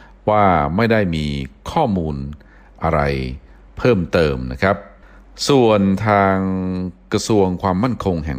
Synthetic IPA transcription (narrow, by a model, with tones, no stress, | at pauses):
waː˥˩ma˥˩jda˥˩jmiː˧kʰɔː˥˩muː˧n | ʔa˧ɾa̰˧j | pʰɤː˥˩mt̪ɤː˧mna̰˦˥kʰɾa˦˥p̚ | su˨˩ənt̪ʰaː˧ŋkɾa˧su˧əŋkʰwaː˧mːa˥˩nkʰo˧ŋɦɛ̰˨˩˦